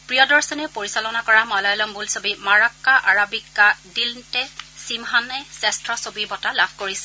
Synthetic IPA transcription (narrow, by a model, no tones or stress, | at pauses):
pɹijɔdɔɹsɔnɛpoɹisalɔnakɔɹamɔlɔjlɔmbulsobimaɹakːaʔaɹabikːadiltɛsimɦanɛsɛstɹɔsobiɹbɔtalabʰʱkoɹisɛ̥